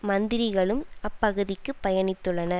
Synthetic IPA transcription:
mɐnd̪ɪɾɪɣɐɭɯmɐpːɐɣɯðɪkːɯpːɐjɐnɪt̪ːɯɭːɐnɐ

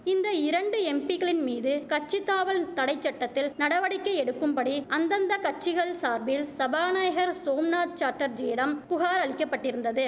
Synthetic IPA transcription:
ɪnd̪ɐɪɾɐɳɖɯɛmpiɣɐɭɪnmiːðɯkɐt͡ʃːɪt̪ːaːʋɐɭt̪ɐɽɐɪt͡ʃːɐʈːɐt̪ːɪlnɐɽɐʋɐɽɪkːɐɛɽɯkːɯmpɐɽiɐnd̪ɐnd̪ɐkɐt͡ʃːɪɣɐɭsaːɾbɪlsɐbaːnaːjɐɣɐɾsoːmnaːt̪̚t͡ʃaːɾʈːɐɾd͡ʒɛːjɽɐmpʊɣaːɾɐɭɪkːɐpːɐʈːɪɾɯnd̪ɐðɯ

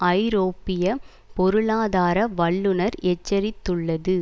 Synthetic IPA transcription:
ɐɪɾoːpːɪjɐ | pɔɾɯɭaːðaːɾɐʋɐɭːɯnɐɾɛt͡ʃːɐɾɪt̪ːɯɭːɐðɯ

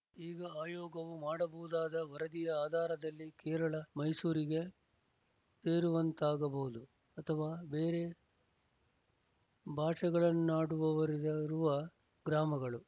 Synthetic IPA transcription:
iːɡɐaːjoːɡɐʋumaːɽɐbɐɦud̪aːd̪ɐʋɐɾɐd̪ijɐaːd̪ʱaːɾɐd̪ɐlːikɛːɾɐɭɐmɐjsuːɾiɡe | t̪eːɾuʋɐnt̪aːɡɐbɐɦud̪u | ɐt̪ʰɐʋaːbeːɾe̞ | bʱaːʂɐɡɐɭɐnːuaːɽuʋɐʋɐɾid̪ɐɾuʋɐ | ɡɾaːmɐɡɐɭu

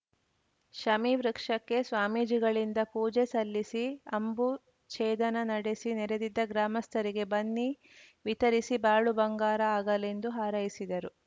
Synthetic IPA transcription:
ʃɐmiʋɾɐkʂɐkːe̞sʋaːmiːd͡ʒiɡɐɭind̪ɐpuːd͡ʒesɐlːisiɐmbu | t͡ʃɛːd̪ɐnɐnɐɽesinɛɾed̪id̪ːɐɡɾaːmɐst̪ʰɐɾiɡe̞bɐnːi | ʋit̪ɐɾisibaːɭubɐŋɡaːɾɐaːɡɐle̞nd̪uɦaːɾɐjisid̪ɐɾu

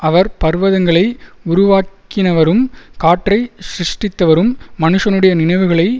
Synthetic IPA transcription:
ʔɐʋɐɾpɐɾʋɐðɐŋɡɐɭɐɪʊɾʊʋaːk | ɪnɐʋɐɾɯmkaːʈrɐɪsɾɪʂʈɪt̪ːɐʋɐɾɯmːɐnɯʂɐnɯɽɐjɐnɪnɐɪʋɯɣɐɭɐɪ

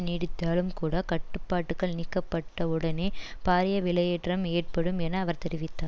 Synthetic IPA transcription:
niːɽɪt̪ːaːlɯmkuːɽɐkɐʈːɯpːaːʈːɯkɐɭnɪkːɐpːɐʈːɐʊɽɐneːpaːɾɪjɐʋɪlɐjeːʈrɐmeːrpɐɽɯmɛnɐːʋɐɾt̪ɛɾɪʋɪt̪ːaː

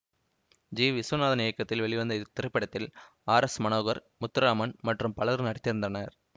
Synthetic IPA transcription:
d͡ʒiːʋɪsʋɐnaːðɐnɪjɐkːɐt̪ːɪlʋɛɭɪʋɐnd̪ɐt̪ːɪɾɐpːɪɽɐt̪ːɪl | aːɾɐsmɐnoːɣɐɾ | mʊt̪ːɪɾaːmɐnmɐʈrɯmpɐɭɐɾnɐɽɪt̪ːɪɾɯnd̪ɐnɐɾ

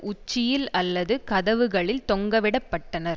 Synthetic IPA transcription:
ʔʊt͡ʃːɪjɪlɐlːɐðɯkɐðɐʋɯɣɐɭɪlt̪ɔŋɡɐʋɪɽɐpːɐʈːɐnɐɾ

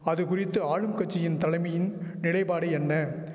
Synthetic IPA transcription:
ɐðɯkʊrɪt̪ːɯaːɻɯmkɐt͡ʃːɪjɪnt̪ɐlɐɪmɐjɪnnɪlɐɪpaːɽɐɛnːɐ

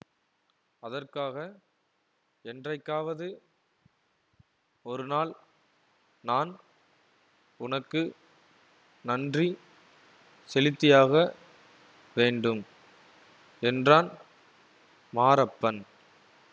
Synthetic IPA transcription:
ɐðɐrkaːɣɐ | ɛndrɐɪkːaːʋɐðɯ | ɔɾɯnaːl | naːn | ʊnɐkːɯ | nɐndri | sɛlɪt̪ːɪjaːɣɐ | ʋeːɳɖɯm | ɛndraːn | maːɾɐpːɐn

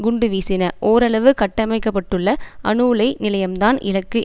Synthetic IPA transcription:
ɡʊɳɖɯʋiːsɪnɐʔoːɾɐɭɐʋɯkɐʈːɐmɐɪkːɐp̬ːɐʈːɯɭːɐʔɐ̰ɳɯlɐɪnɪlɐjɐmt̪aːnɪ̰lɐkːɯ

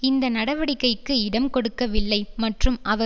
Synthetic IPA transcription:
ɪnd̪ɐnɐɽɐʋɐɽɪkːɐɪkːɯɪɽɐmkɔɽɯkːɐʋɪlːɐɪmɐʈrɯmʔɐʋɐ

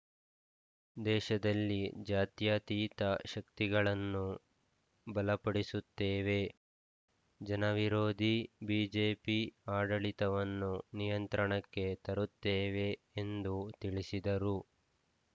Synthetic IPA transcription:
d̪ɛːʃɐd̪ɐlːid͡ʒaːt̪jaːt̪iːt̪ɐʃɐkt̪iɡɐɭɐnːu | bɐlɐpɐɽisut̪ːeːʋe̞ | d͡ʒɐnɐʋiɾoːd̪ʱibiːd͡ʒeːpiaːɖɐɭit̪ɐʋɐnːunijɐnt̪ɾɐɳɐkːe̞t̪ɐɾut̪ːeːʋe̞ː | nd̪ut̪iɭisid̪ɐɾu

